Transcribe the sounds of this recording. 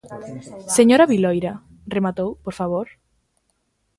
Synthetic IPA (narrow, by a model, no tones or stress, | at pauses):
seɲoɾaβilojɾa | remat̪owpoɾfaβ̞oɾ